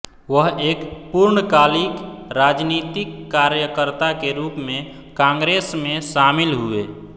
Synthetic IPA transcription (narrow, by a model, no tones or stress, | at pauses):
ʋəɦeːkpuɾɳəkaːlikɾad͡ʒnit̪ikːaɾjəkəɾt̪akeɾuːpmẽ | kãŋɡɾeːsmẽʃamilɦue